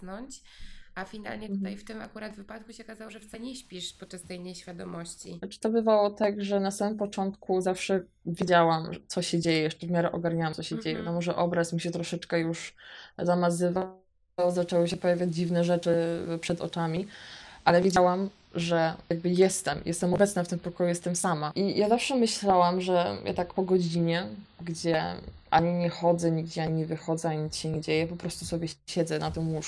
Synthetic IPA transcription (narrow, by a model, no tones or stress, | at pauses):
nɔɲt͡ɕ | ʔafʲina̰lɲɛt̪t̪ajft̪ɪma̰kuɾad̪vɘpat̪̚kuɕɛɔkazawɔʐɛft̪saɲɛɕpʲiʂpɔtt͡ʂːast̪ɛjnɛɕfʲjad̪ɔmɔɕt͡ɕḭnat͡ʂɘ̥t̪ɔbɘvawɔt̪aɡʐɛnasamɘmpɔt͡ʂɔnt̪kuzafʂɛ | vʲjed͡ʑawamt̪sɔɕɛd͡ʑejɛjɛʂt͡ʂɛvmʲjaɾɛʔɔɡaɾɲawamsɔɕɛd͡ʑejɛvja̰d̪ɔmɔʐɛʔɔbɾasmuɕɛt̪ɾɔʂɛt͡ʂkɛjuʂzamazɘva | zat͡ʂɛwɨɕɛpɔjavʲjad͡ʑd͡ʑivnɛʐɛt͡ʂɘpʂɛd̪ɔ̰t͡ʂamʲiʔalɛvʲjed͡ʑawam | ʐɛjaɡ̚bɘjɛst̪ɛmjɛst̪ɛmɔbɛt̪snaft̪ɘmpɔkɔjujɛst̪ɛmsamaʔijʔazafʂɛmɘɕlawamʐɛja̰t̪akpɔɡɔd͡ʑiɲɛɡd͡ʑɛʔa̰ɲiɲɛxɔd̪zɛɲiɡd͡ʑɛaɲivɘxɔd̪zɛaɲit̪ɕɛɲɛd͡ʑejɛpɔpɾɔst̪usɔbʲjɛɕɛd̪zɛnat̪ɔ̃w̃uʂ